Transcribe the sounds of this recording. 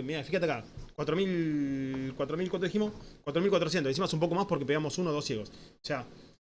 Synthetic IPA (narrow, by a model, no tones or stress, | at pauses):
miafixat̪eakakwat̪ɾomil | kwat̪ɾomilkwant̪iximoskwat̪ɾomilkwat̪ɾos̬jent̪oisimosumpo̞ko̞maspoɾkepeɣamo̞sunoðo̞sjeɣososea